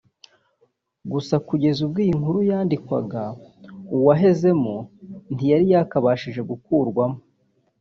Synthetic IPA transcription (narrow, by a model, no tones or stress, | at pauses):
ɡusakuɟe̞zubɡiːŋhuɾujaːndikwaɡauwaɦe̞ze̞muntijaɾijaːkaβaːʃiʒe̞ɡukuɾɡwamo